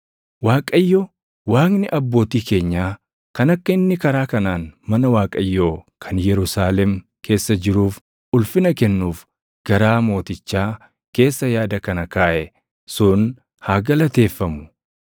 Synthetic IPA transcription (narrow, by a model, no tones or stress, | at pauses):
waːkʼɐjːo | waːknɪʔɐbːo̞ːt̪iːke̞ːɲːaː | kɐnɐkːɐɪnːɪkɐɾaːkɐnaːnmɐnɐwaːkʼɐjːoːkʰɐnjɛɾʊsaːlɛm | kʰe̞ːsːɐd͡ʒɪɾuːf | ʊlfɪnɐkɛnːuːf | ɡ̥ɐɾaːmo̞ːt̪ɪt͡ʃːaː | ke̞ːsːɐjaːd̪ɐkɐnɐkaːʔɛ | sʊn | haːɡɐlɐt̪e̞ːfːɐmʊ̥